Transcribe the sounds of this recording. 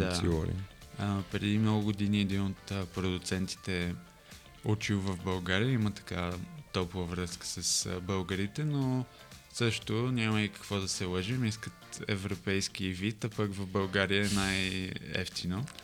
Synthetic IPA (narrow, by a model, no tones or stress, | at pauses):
d̪asiɔ̰ɾḭəpɾɛd̪imnɔɡʊɡod̪iniɛd̪inot̪əpɾod̪ʊt̪sɛnt̪i̥t̪ɛ | ut͡ʃiwˠvɐfbɐlˠɡaɾijəimət̪ɐ̥kat̪ɔpuvəvɾɤskə̥səsbəlˠɡəɾit̪ɛno | sɤʃt̪onʲaməikə̥kvɔd̪ɐsɛləʒimiskət̪ɛ̰vɾopɛjsk̟ivit̪apəkvəvbəlˠɡaɾiəɛnajɛ̰ft̪ʰino